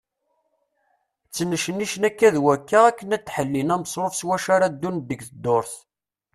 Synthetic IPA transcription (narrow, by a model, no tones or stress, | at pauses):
t͡sːənəʃənːiʃnækːæðwækːaʁækːənæt̪ːħəlːinæməsˤɾˤofswæʃaɾad̪ːund̪əɡθəd̪ːoɾθ